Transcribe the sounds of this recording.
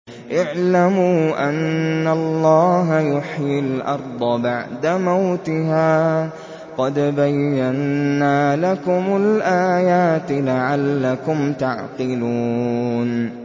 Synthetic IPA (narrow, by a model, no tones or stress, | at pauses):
ʔɪʕlamuːʔanːalˤːɑːɦajʊħjɪlʔɑɾˤd̪ˤɑbaʕd̪amawt̪ɪɦaː | qɑd̪bajːanːaːlakʊmʊlʔaːjaːt̪laʕalːakʊmt̪aʕqɨluːn